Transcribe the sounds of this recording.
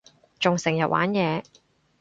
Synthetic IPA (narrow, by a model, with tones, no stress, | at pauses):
t͡ʃʊ˨ŋsɪ˨˩ŋjɐ˨t̚wʔa̰ː˨˥njɛː˨˧